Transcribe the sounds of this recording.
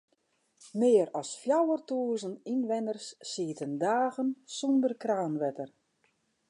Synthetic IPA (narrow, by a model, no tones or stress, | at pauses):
mɪːəɾɔsfjawərtuəzəninʋɛnərsːiːtəndaːɣənsɔndərkraːnʋɛtər